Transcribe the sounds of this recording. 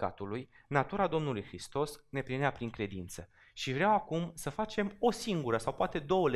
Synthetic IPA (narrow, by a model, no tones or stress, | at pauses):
a̰t̪uluj | nat̪uɾad̪o̞mnulujxɾist̪o̞sne̞pɾineapɾiŋkɾe̞d̪int̪sə | ʃivɾeawakumsəfat͡ʃe̞mo̞siŋɡuɾəsawpoat̪e̞d̪o̞wəl